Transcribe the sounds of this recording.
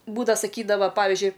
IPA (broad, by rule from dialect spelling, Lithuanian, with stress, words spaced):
ˈbuːdɐʋɐ sɐˈkʲiːdɐʋɐ ˈpɑːʋʲɪzʲd͡ʒʲʊɪ